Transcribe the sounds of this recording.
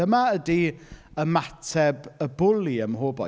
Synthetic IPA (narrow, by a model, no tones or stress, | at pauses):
əmaədiəmatʰɛbəbʊlˠiəmɦoːbɔ